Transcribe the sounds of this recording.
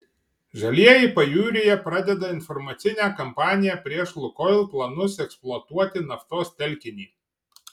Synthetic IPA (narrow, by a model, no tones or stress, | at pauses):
ʒɐlʲiɛjɛɪpɐjuːɾʲɪjɛpɾɑd̪ʲɛd̪ɐɪnfɔɾmɐt̪sʲɪnʲæːkɐmpɑːnʲɪjæpʲɾʲiɛʃlˠʊkɔlˠplˠɐnʊsɛksplˠʊɔt̪uɔt̪ʲɪnɐft̪oːst̪ʲɛlʲkʲɪnʲiː